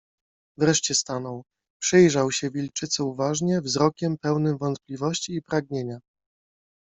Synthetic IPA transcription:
vɾɛʂt͡ɕɛst̪anɔw | pʂɛjʐawɕɛvʲilt͡ʂɘt̪sɛuvaʐɲɛvzɾɔkʲɛmpɛwnɘmvɔnt̪̚plʲivɔɕt͡ɕiːpɾaɡɲeɲa

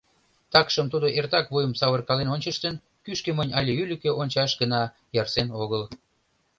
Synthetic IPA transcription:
t̪ɑkʃəmt̪ud̪oʔert̪ɑkβujəmsɑβərkɑlenonʲt͡ɕəʃt̪ən | kyʃkemənʲɑlʲeylʲykeʔonʲt͡ɕɑʃɡənɑ | jɑrsenoɣəl

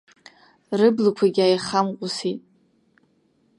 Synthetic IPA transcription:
rɨblakʷʰaɡʲajχamqʷʼʊsitʼ

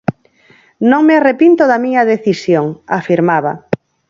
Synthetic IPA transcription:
nõŋmɪarepint̪oðamiɲɐðeθisjoŋafiɾmaβa

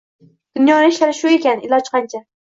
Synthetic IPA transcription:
d̪̥ʊnjɒnɪɪʃlaɾɪʃʊe̞kʲanɪlˠɒt͡ʃqʰɑnt͡ʃʰa

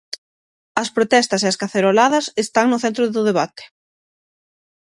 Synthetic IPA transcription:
ɐspɾot̪ɛst̪ɐseɐskaθeɾolaðɐsest̪aŋnʊθent̪ɾʊðʊðeβat̪e̥

